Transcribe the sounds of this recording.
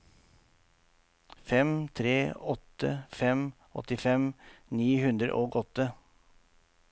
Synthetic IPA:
fɛmt̪ʰɾeːɔt̪ə̰fɛm | ʔɔ̰t̪ɪfɛmniːhʉnd̪ɾə̰ʔoːɡɔt̪ə

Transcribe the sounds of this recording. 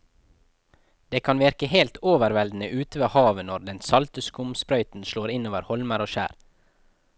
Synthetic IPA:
d̪̥eːkʰɑnʋɪɾkəheːlt̪ʰoːʋəɾʋɛld̪n̩əʔʉːt̪əʋeːhɑːʋənɔɾd̪ɛnsɑlt̪əskʊmspɾœʏt̪n̩ʃloːɾɪnoːʋəɾhɔlməɾoːʃæ̰ːɾ

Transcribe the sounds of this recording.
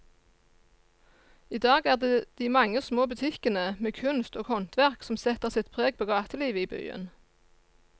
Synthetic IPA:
iːd̪ɑːɡæːʁd̪eːd̪̥iːmɑŋəsmoːbʉt̪ʰɪkənəmeːkʰʉnst̪oːɡhɔnt̪ʋæʁksɔmsɛt̪əʁsɪt̪pʰʁeːɡ̚pʰoːɡɑːt̪əliːʋəiːby̰ːə̰n

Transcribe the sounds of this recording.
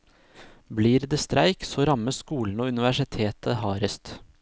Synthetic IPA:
bliːɾd̪eːst̪ɾæɪksoːɾɑməsskuːln̩oːʉnɪʋæʂɪt̪ʰeːt̪ʰəhɑːɾəst̪

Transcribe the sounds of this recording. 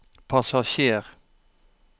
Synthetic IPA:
pʰɑsɑʃeːʁ

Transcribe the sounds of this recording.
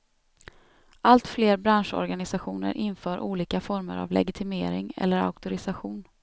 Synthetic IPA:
ʔalt̪fleːɾbɾanʂɔ̰ɾɡanɪsaɧuːnə̰ɾʔɪnfœːɾʔuːliːkafɔɾməɾa̰vlɛ̰ɡɪt̪ʰɪmeːɾɪŋɛ̰lːəɾa̰ʊkt̪ʊɾɪsaɧuːn

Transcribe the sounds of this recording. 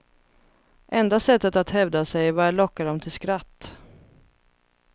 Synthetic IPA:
ʔɛnd̪asɛt̪ːət̪at̪hɛvd̪asɛjvaɾaɭɔkːaɖɔmt̪ʰɪlskɾat̪ː

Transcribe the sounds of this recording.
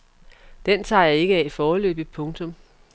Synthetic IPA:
d̥ent͡sʰɑ̰̈ːjɑ̈e̝ɡ̥əæifɒːlø̰ːb̥ipʰɔ̽ŋt͡sʰɔ̽m

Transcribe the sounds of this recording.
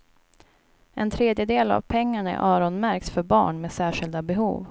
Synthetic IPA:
ʔɛnt̪ʰɾeːd̪jəd̪eːla̰vpʰɛŋːaɳæ̰ɾʔɑːɾɔnmæɾksfœɾbɑ̰ːɳmeːsæːʂɪld̪abɛɦṵːv

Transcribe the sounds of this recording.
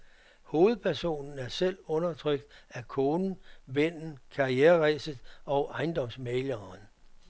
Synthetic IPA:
ho̝ːð̩ˠpʰæɐso̝̰ːnn̩æɐsel̰ɔ̽nɐt͡sʰʁœɡ̥̚d̥ækʰoːnn̩ʋen̰n̩kʰɑ̈ieːɐʁesəð̩ˠɒ̽ʊʔɑ̈ɪnd̥ɒ̽m̰smeɪlɐn

